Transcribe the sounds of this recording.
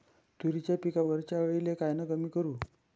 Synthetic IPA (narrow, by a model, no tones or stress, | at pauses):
t̪uɾit͡ɕjapikaʋəɾt͡ɕaʋəɭilekajnəkəmiːkəɾuː